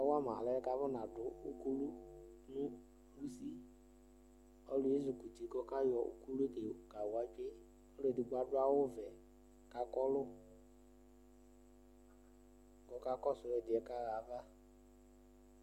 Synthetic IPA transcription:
ɔ˦wa˦ma̰˨lɛ˨˦ɛ˦ka˧˦vɔ˦na˨dʊ˨u˦ku˦lu˦nʊ˦ | lu˦si˦ | ɔ˦lʊ˨je˦zu˨ku˨ti˨˦kɔ˦ka˦jɔ˨ʔṵ˦ku˦lu˦e˦ke˨ka˨wa˨t͡ʃe˦ | ɔ˦lʊ˦e˨di˨ɡ͡ba˨dʊ˦a˦wʊ˦vɛ˨ | ka˧kɔ˦lʊ˦ | kɔ˨˦ka˦kɔ˦sʊ˨ɾɛ˧dɪ˨ɛ˨˦ka˦ɣa˨˦va˦

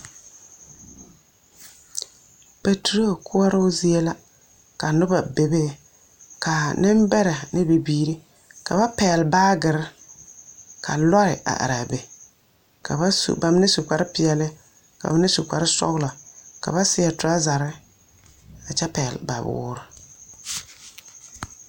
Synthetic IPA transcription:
pa˨tu˨ɾo˦˨kʰʊ˦ɔ˦ɾɪ˦ʊ˦zi˦e˦la˦ | ka˨nʊ˦ba˨be˨be˦ | ka˨nɪ˦m˦bɛ˦ɾa˨nɪ˦bi˨biː˦ɾi˦ | ka̰˨ba˦pɛː˨lbaː˦ɡɪ˨ɾɪ˦ | kʰa̰˨lɔ˦ɾɪ̰˨a̰˨ʔa̰˨ɾa˨be˨ | ka̰˨ba˦sṵ˨ba˨m˦nɪ˦su˨ka˨ɾɪ˦pɪ˨ɛ˨lɪ˦ | ka̰˨ba˦nɪ˦su˨ka˨ɾɪ˦sɔ̰˦ɣla˨ka̰˨ba˦sɪ˦ɛ˨tʊ˨ɾa˦za˨ɾɪ˦ | a˨t͡ʃɛ˦pɛ˨lba̰˨bʊ̰ː˦ɾɪ˦

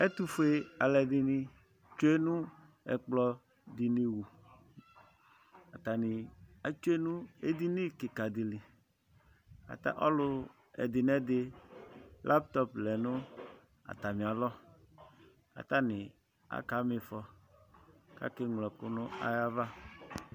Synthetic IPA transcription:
e˦t̪u˦fe˦a˨lɛ˨d̪i˨nĩ˦ | t͡ʃo˦e˦nũ˦ | ɛ̰˨k͡plɔ˨ | d̪i˨ni˨wu˨ | a˨t̪a˨nɪ˨a˨t͡ʃo˦e˦nũ˦e˦d̪i˦nĩ˦kɪ˨ka˨d̪i˨li˨ | ka̰˨t̪a̰˦ʔɔ˦lʊ˦ | ɛ̰˨d̪ɪ˨nɛ̃˦d̪ɪ˦ | lʔa˦pt̪ɔ˦plɛ˨nʊ̃˦ | a̰˨t̪a˨mĩ˨a˨lɔ˦ | ka̰˨t̪a˦nɪ̃˨ | a̰˦ka˨me˨fɔ˦ | ka̰˦ke˦ŋlɛ˨kʊ˦nʊ̃˦a̰˨ja˦va˦

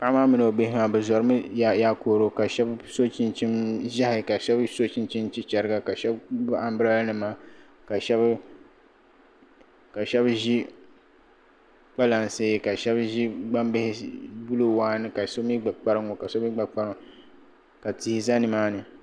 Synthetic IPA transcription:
pa˦maː˦mɨ˨nɨ˨o˨bɪ˦hɪ˦maː˨bɨ˨zɔ˨ɾɨ˦mɨ˦˨jaː˦koː˨ɾo˨ka˨ʃɛ˦bso˦t͡ʃi˦nt͡ʃi˦mʒa˦hɪ˨ka˨ʃɛ˦bso˦t͡ʃi˦nt͡ʃi˦nt͡ʃi˦t͡ʃɛ˨ɾɨ˦ɡa˦ka˨ʃɛ˦bba˨mbɨ˦ɾa˦lnɨ˨maː˦ | ka˨ʃɛ˦b | ka˨ʃɛ˦bʒi˦ | k͡pa˦la˨n˨seː˦ka˨ʃɛ˦bʒi˦ɡ͡ba˦mbɪ˦hɪ˦bu˦lo˦waː˦nɨ˦ka˨so˦mi˦ɡ͡ba˨k͡pa˦ɾɨ˦ŋo˨ka˨so˦mi˦ɡ͡ba˨k͡pa˦ɾɨ˦ŋ˨ | ka˨ti˨hi˦za˦nɨ˨maː˦nɨ˨

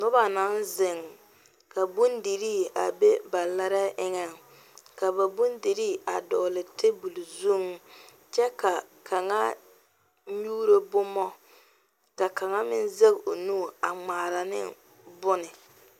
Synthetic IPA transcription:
nʊ˦ba˨na˦nzɪ˨ŋ | ka˨bu˦ndi˨ɾiː˦˨a̰˨be˦ba˨la˦ɾa˦ʔɪ˦ŋɛ˦ŋ | ka˨ba˨bu˦ndi˨ɾiː˦˨a˨dɔː˨lɪ˨tɪ˦bu˨lu˨zu˦˨ŋ | t͡ʃɛ˦ka˨ | kʰa˨ŋa˦ | ɲuː˦ɾo˦bʊ˦mɔ˦ | ka˨ka˨ŋa˦mɪ˦nze˦ɡo˨nuː˦˨a˨ŋ͡maː˨ɾa˨nɪ̰˦ | bʊ˦nɪ˨

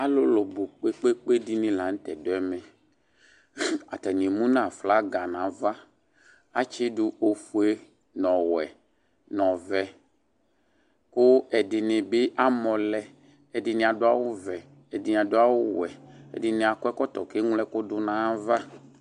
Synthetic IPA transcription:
a˦lo˦lo˨bo˨k͡pe˦k͡pe˦k͡pe˦di˦nĩ˦la˨ŋ̩˦t̪ɛ˨do˨˦ɛ˦mẽ˨ | a̰˨t̪a˨ɲĩ˨mũ˦nã˦˨fla˦ɡa˨nã˨˦va˦ | a˦t͡ʃe˦ɖu˦o˨fu˦e˦ | nɔ̃˨wɛ˨ | nɔ̃˨vɛ˨ | ko˦ɛ˨di˨nẽ˨be˦ʔa˦mɔ̃˨lɛ˨ | ɛ˨di˨nĩ˨a˨do˦a˦wo˦vɛ˨ | ɛ˨di˨ñ˨a˨do˦a˦wo˦wɛ˨ḛ˨di˨nẽ˨a˨kɔ˦ɛ˦kɔ˦t̪ɔ˨ke˦ŋũ˦lɛ˦ko˦do˦nã˨˦va˦

